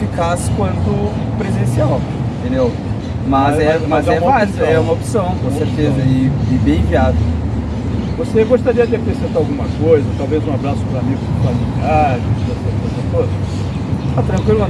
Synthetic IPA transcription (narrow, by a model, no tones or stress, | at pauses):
fikasɪ̥kwɐ̃nt̪ʊ | pɾezẽsiaw | ẽt̪ẽd̪ew | mɐzzɛmɐzɛɛuɛ̃mɐazkɐɛũmɐopsɐ̃w̃kõseɾt̪ezɐivibẽj̃viad̪ʊ | voseɡoʃt̪aɾiɐd̪ɪpesẽt̪awɡũmɐkojzɐt̪awvezũabɾasʊ̥pɾamiɡʊspamiɡ̪ad͡ʒiosekozɐt̪od̪ɐ | t̪at̪ɾɐ̃ŋkwilʊɐ̃